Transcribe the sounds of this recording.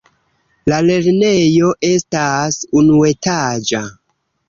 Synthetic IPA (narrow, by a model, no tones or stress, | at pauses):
lale̞ɾne̞jo̞ʔe̞stasunue̞tad͡ʒa